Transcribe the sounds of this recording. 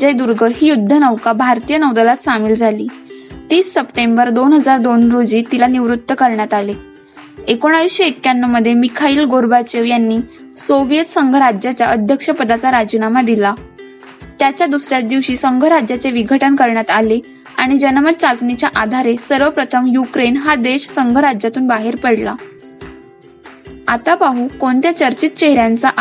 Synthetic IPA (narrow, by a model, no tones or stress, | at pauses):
d͡ʑed̪uɾɡʱəɦiːjud̪ʱːənəʋkabʱaɾt̪ijənəwd̪əlat̪samiːld͡zʱaliːt̪iːsːəpʈembəɾd̪onɦəd͡zaɾd̪onɾod͡ʑiːt̪ilaniʋɾut̪ːəkəɾɳjat̪ale | ekoɽ̃aʋiɕekːanːəməd̪ʱːjemikʰaiːlɡoɾbat͡ɕeʋjanːiː | soʋjət̪səŋɡʱəɾad͡ʑjat͡ɕjaʔəd̪ʱjəkʂəpəd̪at͡saɾad͡ʑinamad̪ila | t̪jat͡ɕjad̪usɾjat͡s̚d̪iʋɕiːsəŋɡʱəɾad͡ʑjat͡seʋiɡʱəʈənkəɾɳjat̪ale | aɽ̃id͡ʑənəmət̪̚t͡sat͡snit͡ɕjaʔad̪ʱaɾesəɾʋəpɾət̪ʰəmjukɾenɦad̪eɕsəŋɡʱəɾad͡ʑjat̪uːnbaɦeɾpəɽla̰ | at̪apaɦuːkoɳt̪jat͡ɕəɾt͡ɕit̪t͡ɕeɦɾjant͡saʔ